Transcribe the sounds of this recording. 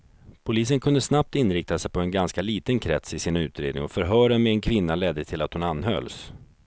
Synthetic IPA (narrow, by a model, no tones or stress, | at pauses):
pʰʊliːs̬ənkʰɵnd̪əsnap̚t̪ɪnɾɪk̚t̪asɛjpʰɔɛnɡanskaliːt̪ənkʰɾɛ̰t̪sɪsiːnaʉ̟ːt̪ɾeːd̪nɪ̰ŋɔfœɾɦœːɖəmɛɛnkʰvɪnːalɛd̪ːət̪ʰɪlat̪hʊnanːɦœ̰ls